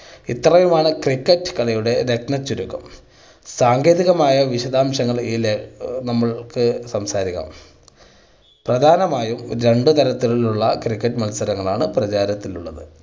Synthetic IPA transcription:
it̪ːrɐjumaːɳɨkrikːɐʈːɨ̥kɐɭɐjuɽe̞ɾeknɐt͡ɕːuɾukːɐm | saːŋɡe̞ːðiɣɐmaːjɐʋiɕɐd̪aːmɕɐŋːɐɭiːlenɐmːɐɭkɨsɐmsaːɾiɣɐ̰m | prɐd̪ʱaːnɐmaːjumɾe̞ɳɖɨt̪ɐɾɐt̪ːiɭiluɭːɐkrikːɐʈːɨmɐnsɐɾɐŋːɐɭaːɳɨprɐt͡ɕaːɾɐt̪ːiluɭːɐðɨ

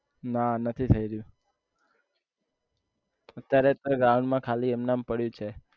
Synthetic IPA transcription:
nanət̪ʰit̪ʰəiɾəjũ | ət̪ːjaɾet̪oɡãʋɳmãkʰaliemnampəɽjũt͡ʃʰe

